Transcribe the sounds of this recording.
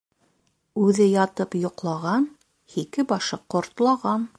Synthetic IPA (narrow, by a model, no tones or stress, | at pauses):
ʉðɘjɑt̪ɤpjŏqlˠɑʁɑn | hikɘbɑʃɤqŏɾt̪lˠɑʁɑn